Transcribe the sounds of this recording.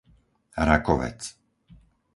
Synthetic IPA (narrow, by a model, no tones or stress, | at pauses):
ɾakɔʋɛ̰t͡s